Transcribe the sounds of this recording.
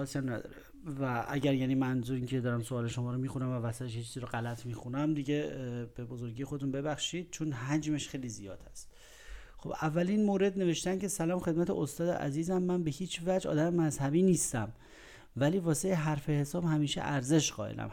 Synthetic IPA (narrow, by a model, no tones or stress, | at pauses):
ɒːsjæmnæd̪ɒ̰ːɾe | væʔæ̰ɟæɾjæːniːmænzuɾiːncʰed̪ɒːɾæmsoɒːleʃomɒːɾomiːxunæmvævæsæt̪ʰeʃit͡ʃʰiːziɾoɣælæt̪ʰmiːxunæmd̪iɟeb̥ebo̞zo̞ɾɡiːjexo̞d̪et̪unbe̞bæxʃiːd̪̥̚t͡ʃʰonɦæd͡ʒmeʃxejlizijɒːd̪̥æst̪ | xo̞̰b̥ævːælinmoːɾe̞d̪ne̞veʃt̪æncʰe̞sælɒːmxed̪mæt̪ʰeost̪ɒːd̪ḛʔæ̰ziːzæmːænbe̞hiːt͡ʃʰvæd͡ʒɒ̰ːd̪æmemæzhæbiːniːst̪æm | væliːvɒːseeɦæɾfehesɒːb̥hæmiːʃḛʔæɾze̞ʃɢɒ̰ːʔelæ̰m